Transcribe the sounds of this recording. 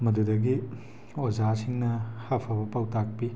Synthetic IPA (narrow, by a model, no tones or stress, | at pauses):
mɐdudɐɡi | ozasiŋnɐhapʰɐbɐpawtak̚pi